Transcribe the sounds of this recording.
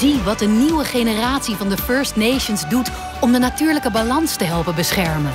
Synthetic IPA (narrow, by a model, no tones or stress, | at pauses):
iʋɑt̚dəniwəχenəraːtsivɑndəføːɹstnejʃənzdut | ɔmdənatyːɹləkəbalɑnstəɦɛlˠpənbəsχɛɹmən